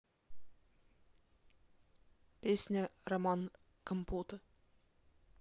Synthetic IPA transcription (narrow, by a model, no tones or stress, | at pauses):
pʲesʲnʲərɐmɑn | kəmput̪ə